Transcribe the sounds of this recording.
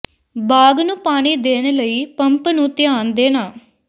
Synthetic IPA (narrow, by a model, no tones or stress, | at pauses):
baːɡnũːpaːɽ̃iːd̪eːnləiːpəmpnũːt̪ɪjaːnd̪eːnaː